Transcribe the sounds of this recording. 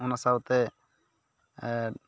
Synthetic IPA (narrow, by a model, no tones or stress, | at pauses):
unasawt̪ɛ